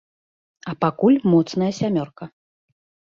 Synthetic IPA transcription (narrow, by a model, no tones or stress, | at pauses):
ɐpakulʲmɔt̪snɐjɐsʲamʲɔrkɐ